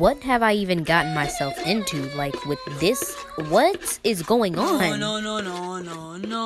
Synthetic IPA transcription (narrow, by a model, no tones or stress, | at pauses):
wʌt̚ɦɨvaɪivɨ̃nɡɑʔn̩maɪsɛlˠfɪ̃ntʰʉlaɪkʰwɨðɪs | wʌtɪzɡoʊɪ̃ŋən